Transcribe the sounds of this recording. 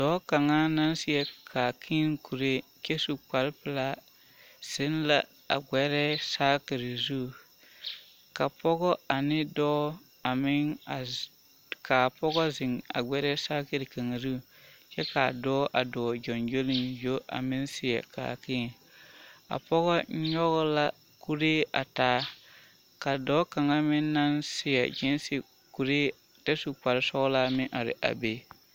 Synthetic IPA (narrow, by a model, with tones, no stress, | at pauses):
d̥ɔː˦ka˨ŋa˦na˦nsɪ˦ɛ˨kʰaː˨kʰi˦ŋkʰu˨ɾe˦ | ke˦su˨k͡pa˨lpɪ˨la˦ | sɪ˦nla˨ | a̰˨ɡ͡bɛ˦ɾɛ˦saː˦kɪ˨ɾɪ˨zu˦˨ | ka˨pɔ˦ɡɔ˦a˨nɪ˦dɔ˦ | a˨mɪ˦ŋa˨ | kʰa˨pɔ˦ɡɔ˦zɪ˨ŋa̰˨ɡ͡bɛ˦ɾɛ˦sa˦kɪ˨ɾɪ˨ka˨ŋa˨zu˦˨ | t͡ʃɛ˦ka˨dɔː˦ʔa˨dɔː˨d͡ʒɔ˨nd͡ʒo˦lɪ˦˨njo˦ʔa̰˨mɪ˦nsɪ˨ja̰˨ka̰ː˨kɪː˦˨ | a̰˨pɔ˦ɣɔ˦ɲɔ˦ɣʊ˦la˦ | ku˦ɾeː˦ʔa̰˨taː˨˦ | ka˨dɔː˦ka˨ŋa˦mɪ˦nː˦a˦nsɪ˦ja̰˨d͡ʒɪ˦n˦sɪ˨ | ku˨ɾeː˦ | ta˦su˨k͡pa˨ɾɪ˦sɔ˦ɡɔ˦la˦mɪ˦ŋʔa˨ɾɪ̰˨ʔa̰˨be˦